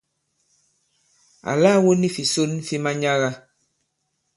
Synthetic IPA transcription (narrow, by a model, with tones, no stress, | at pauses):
a̰˨la˦˨wo˦ni˦fi˨so˦nfi˦ma˦ɲa˦ɣa˦